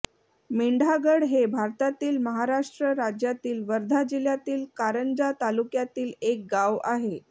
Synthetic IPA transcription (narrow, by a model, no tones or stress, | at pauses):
miɳɖʱaɡəɽɦebʱaɾt̪at̪iːlməɦaɾaʂʈɾəɾad͡ʑjat̪iːlʋəɾd̪ʱad͡ʑiljat̪iːlkaɾənd͡ʑat̪alukjat̪iːlek̚ɡaʋaɦe